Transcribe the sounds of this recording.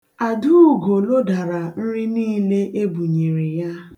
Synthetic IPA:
a˨du˦˨ɡo˨lo˦da˨ɾa˨n̩˦ɾi˦niː˦le˦ʔe˦bu˨ɲe˨ɾe˨ja˦

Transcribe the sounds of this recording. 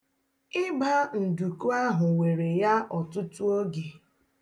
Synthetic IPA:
ɪ˦ɡ͡ba˦n̩˨du˨ku˦a˦ɦʊ˨ŋʷe˨ɾe˨ja˦ʔɔ˨tʊ˦tu˦o˦ɡe˨

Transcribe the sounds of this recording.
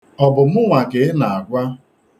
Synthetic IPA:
ɔ˨bʊ˨m̩˦ŋʷa˨kɪ˨˦na˨a˨ɡʷa˦

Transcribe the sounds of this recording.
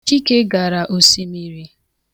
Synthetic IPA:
i˦ke˦ɡa˨ɾa˨ʔo˨si˦mi˦ɾi˦

